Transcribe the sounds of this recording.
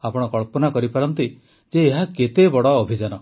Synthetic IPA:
apɔɽ̃ɔkɔɭpɔnakɔɾipaɾɔnt̪i | d͡ʒeːɦaket̪ebɔɽɔːbʱid͡ʒanɔ

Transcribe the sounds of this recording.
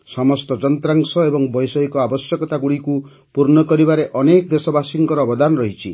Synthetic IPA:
sɔmɔst̪ɔd͡ʒɔnt̪ɾaŋsɔebɔŋbɔjsɔɦikɔabɔsjɔkɔt̪aɡuɽiku | puɾnɔkɔɾibaɾeʔɔnekd̪esɔbasiŋɡɔɾɔːbɔd̪anɔɾɔɦit͡ʃʰi

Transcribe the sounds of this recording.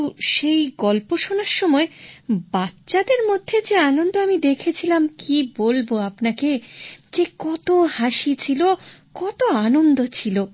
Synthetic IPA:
ʃejɡɔlpoʃonaɾʃɔmɔebatːɕad̪eɾmod̪ʱːed͡ʑeanond̪oamid̪ekʰet͡ɕʰilamkibolboapnaked͡ʑekɔt̪ohaʃit͡ɕʰilokɔt̪oanond̪ot͡ɕʰilo

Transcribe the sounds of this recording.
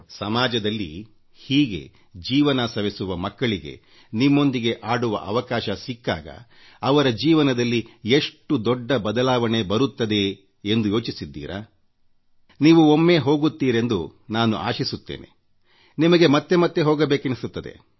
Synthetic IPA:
sɐmaːd͡ʒɐd̪ɐlːḭ | hiːɡe̞̰ | d͡ʒiːʋɐnɐsɐʋisuʋɐmɐkːɐɭiɡḛ | nimːo̞nd̪iɡe̞ʔaːɽuʋɐ̰ʔɐʋɐkaːʃɐsikːa̰ːɡɐ̰ | ɐʋɐɾɐd͡ʒiːʋɐnɐd̪ɐlːie̞ʂʈud̪ɔɖːɐbɐd̪ɐlaːʋɐɳe̞bɐɾut̪ːɐd̪e̞ | end̪ujo̞ːt͡ʃisid̪ːḭːɾa̰ː | niːʋuomːe̞ːɦo̞ːɡut̪ːiːɾe̞nd̪unaːnṵʔa̰ːʃisut̪ːḛːne̞̰ | nimɐɡemɐt̪ːemɐt̪ːe̞ɦoːɡɐbe̞ːkenisut̪ːɐd̪e̞̰

